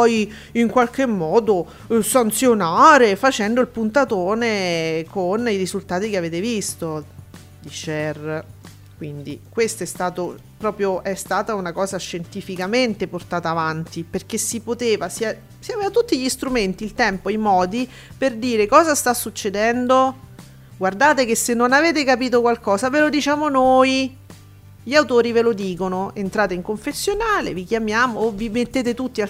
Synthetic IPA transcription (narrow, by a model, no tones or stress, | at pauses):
pɔj | iŋkwalkemːɔːd̪o | sant̪sjonaːɾefat͡ʃɛnd̪oilpunt̪at̪oːnekʰoniɾizult̪aːt̪ik̟eaveːt̪evist̪o | d̪it͡ʃɛr | kwind̪ḭkwest̪oɛst̪aːt̪o | pɾɔːpɾjoʔɛst̪aːt̪aunakɔːzaʃːent̪ifikament̪eport̪aːt̪aːvant̪iperk̟esːipot̪eːvasia | siaveːvat̪ut̪ːiʎist̪ɾument̪iːlt̪ɛmpoijmɔːd̪i | perd̪iːɾekɔːzast̪asːut͡ʃːed̪ɛnd̪o | ɡward̪aːt̪ekesːenːonaveːt̪ekapiːt̪okwalkɔːzavelod̪it͡ʃaːmonoːj | ʎiawt̪oːɾivelod̪iːkonoent̪ɾaːt̪̬eiŋkoɱfesːjonaːlḛvikjamjaːmoːvːimet̪ːeːt̪̬et̪ut̪ːia